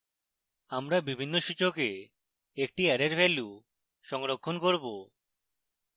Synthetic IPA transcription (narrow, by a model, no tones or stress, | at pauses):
amɾabibʱinːoʃit͡ʃoke | ek̚ʈiɛɾeɾfʰeluw | ʃɔŋɾokʰːonkoɾbo